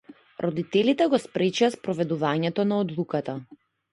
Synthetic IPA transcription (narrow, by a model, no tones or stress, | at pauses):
ɾʔɔd̪it̪ɛlit̪ɛɡɔspɾɛt͡ʃaspɾɔvɛd̪uvaɲɛt̪ɔnaɔd̪lˠukat̪a